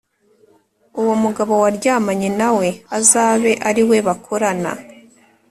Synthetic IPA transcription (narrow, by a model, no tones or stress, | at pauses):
uwomuɡaβo̞waɾɟaːmaɲenawe̞azaːβe̞ʔaɾiwe̞βakʰoɾana̰